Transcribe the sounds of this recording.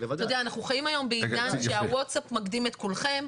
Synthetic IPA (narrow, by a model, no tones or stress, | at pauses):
todeaːnaχnuχajimajo̞mbeiɲanʃeawotsapmakdimet̪kulχe̞m